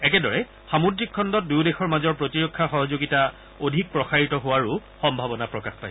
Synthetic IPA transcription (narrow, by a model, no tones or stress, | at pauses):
ɛkɛdɔɹɛ | xamudɹikʰːɔndɔt̚dujdexɔɹmazɔɹpɹotiɹokʰːaxɔɦɔzoɡita | odʱik̚pɹɔxaɹitɔɦʊwaɹu | xɔmbʱabɔnapɹɔkaxpaj